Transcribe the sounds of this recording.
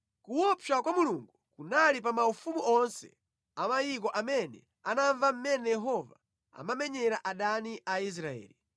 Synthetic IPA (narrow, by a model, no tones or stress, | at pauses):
kuwɔpakwamuluŋɡukunalip̬amaufumuʔɔnsɛ̰ | amajik̬ɔʔamɛnɛ | anaɱvam̩mɛnɛjɛɦɔva | a̰mamɛɲɛɾaʔaɗaniʔais̬ɾaɛ̰ːli